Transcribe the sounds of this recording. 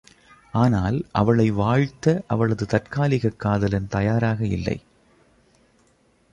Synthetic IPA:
aːnaːlʔɐ̰ʋɐɭɐɪʋaːɻt̪ːɐʔɐʋɐɭɐðɯt̪ɐrkaːlɪɣɐkːaːðɐlɐnt̪ɐjaːɾaːɣɐɪ̰lːɐ̰ɪ

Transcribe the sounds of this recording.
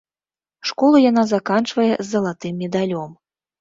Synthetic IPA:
ʂkɔlˠujan̪azakant͡ʂvɐjɛzːɐlˠat̪ɨmːʲɛd̪alʲɔm

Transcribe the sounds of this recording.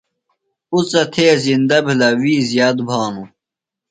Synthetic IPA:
ut͡sɐt̪ʰeːzind̪ɐbilɐwiːzjaːd̪bʱaːnũ

